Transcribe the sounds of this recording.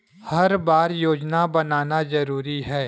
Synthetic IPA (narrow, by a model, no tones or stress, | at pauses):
hɐɾbaːɾjoːd͡ʒnabɐnaːnazɐɾuːɾiɦɛː